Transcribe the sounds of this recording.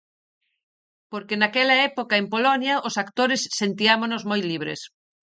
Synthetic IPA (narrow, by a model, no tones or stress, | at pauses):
poɾkenakɛlɐɛpokɐempolɔnjɐʔʊsakt̪oɾesːent̪iamonozmojliβɾḛs